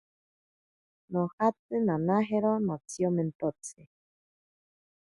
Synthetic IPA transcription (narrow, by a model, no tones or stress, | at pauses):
nõhat͡sɨnãnaɦeɾonot͡siomẽnt̪ot͡se